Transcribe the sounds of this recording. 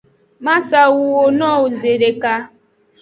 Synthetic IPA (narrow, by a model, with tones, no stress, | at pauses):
ma˦sa˨wu˨wo˨nɔ˦˨u˨ze˨ɾe˨ka˦